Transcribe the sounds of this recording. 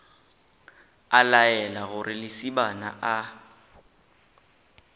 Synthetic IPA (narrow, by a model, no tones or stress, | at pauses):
alajɛlaɣʊrʔɪlɪsibana̰ʔa